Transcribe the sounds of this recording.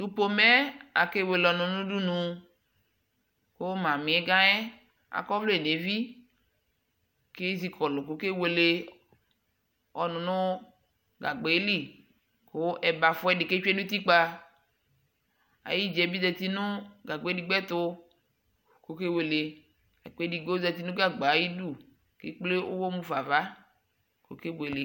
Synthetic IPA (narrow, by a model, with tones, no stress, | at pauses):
du˨po˨mɛ˦a̰˨ke˦we˨lɔ˨nʊ̃˨nʊ̃˦du˦nũ˨ | ko˦mã˨mĩ˨ɛ˦ɡã˦ɛ˦ | a̰˨kɔ˦vlo˦e˨ne˨vi˦ | ke˦zi˦kʰɔ˨lʊ˨ko˨ke˦we˨le˦ | ɔ˨nʊ̃˨nʊ̃˦ | ɡa˨ɡ͡be˨˦li˦ | ko˦ʔɛ˨ba˨fɔ˦ɛ˦ɖi˨ke˦t͡ʃe˦nũ˦t̪i˦k͡pa˦ | a̰˨ji˦d͡ʒɛ˨bi˦zɛ˨t̪i˦nʊ̃˦ɡa˨ɡ͡be˨˦di˨ɡ͡bɛ˦t̪ʊ˦ | ko˨˦ke˦we˨le˨ | ɛ̰˨k͡pe˦di˨ɡ͡bo˦zɛ˨t̪i˦nũ˦ɡa˦˨ɡ͡ba˨˦ji˦du˦˨ | kḛ˦k͡ple˦ʔo̰˦wo˦mũ˦va˨va˦ | ko̰˨ke˦we˨le˨